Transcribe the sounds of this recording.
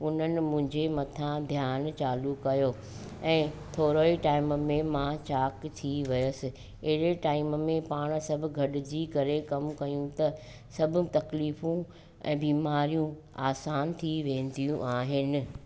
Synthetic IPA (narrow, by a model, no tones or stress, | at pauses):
ʊn̤ənɪ̆mʊ̃ɦɪ̃ɲd͡ʑemɐt̪ʰãd̪ʱjaːnt͡ɕaːlukɐjoː | ɛ̃ːt̪ʰoːɾoːiʈaːɪmmẽmãt͡ɕaːkt̪ʰiʋɐjəsɪ̆ | ɪɦɪɾeʈaːɪmmẽpaːɽ̃sɐbʱʊɡʱɐɗɪd͡ʑikɐɾekɐmkɐjũt̪ɐ | sɐbʱʊ̆t̪ɐkliːfũ | ɛ̰̃ːbiːmaːɾijũ | aːsaːnt̪ʰiʋẽːn̆d̪ijũʔaːɦɪnɪ̆